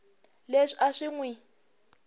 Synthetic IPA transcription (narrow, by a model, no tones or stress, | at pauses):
leʂiʔaʂiŋwi